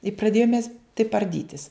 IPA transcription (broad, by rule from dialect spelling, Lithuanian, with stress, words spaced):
ɪ prɐˈdʲeːjʊm mʲɛs tɐɪp ɐrʲˈdʲiːtʲɪs